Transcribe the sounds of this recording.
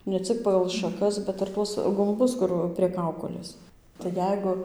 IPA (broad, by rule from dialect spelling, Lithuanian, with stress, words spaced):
nʲɛ ˈt͡sʲɪk pɐɡɐlˠ ʃɐˈkɐs bʲɛt ɪr ˈtuɔs ɡʊmˈbʊs ˈkʊr pʲrʲiɛ ˈkɐʊkoːlʲeːs tɐɪ ˈjɛɪɡʊ